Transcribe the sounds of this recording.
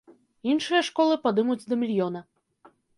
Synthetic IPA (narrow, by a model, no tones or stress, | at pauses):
inʂɨjɐʂkɔlˠɨpad̪ɨmud͡zʲd̪ɐmʲilʲjɔnɐ